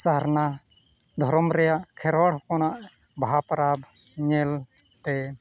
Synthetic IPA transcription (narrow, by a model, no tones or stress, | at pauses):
saɦaɾna | d̪ʱɔɾɔmɾɛjaʔkʰɛɾwaɽkɔnaʔ | bʱaɦapɾab | ɲɛl | t̪ɛ